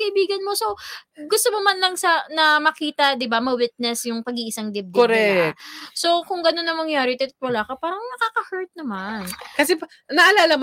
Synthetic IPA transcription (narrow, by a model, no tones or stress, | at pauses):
kɐʔɪbiːɡɐnmo̞so̞ɡʊst̪omomanlɐŋsɐnɐmɐkiːt̪ɐd̪ɪbamɐwɪt̪̚nɛsjʊŋpɐɡiːʔɪsaŋd̪ɪb̚d̪oɾɛ | so̞kʊŋɡɐnonːɐŋmɐŋjaːɾɪt̪ɛt̪t̪̚wɐlaːkɐpaːɾɐŋnɐkaːkɐhɛɹt̪̚nɐmankɐsɛp | nɐʔɐlalɐm